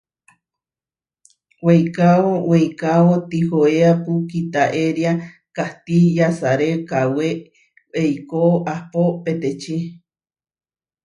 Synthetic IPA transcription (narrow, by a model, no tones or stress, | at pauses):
wejkaowejkaot̪ihoeapukit̪aʔeɾja | kaht̪ijasaɾekawe | ejkoʔapopet̪et͡ʃe